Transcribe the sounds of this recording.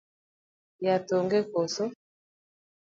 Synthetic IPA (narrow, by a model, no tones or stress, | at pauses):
jatoŋɡekoso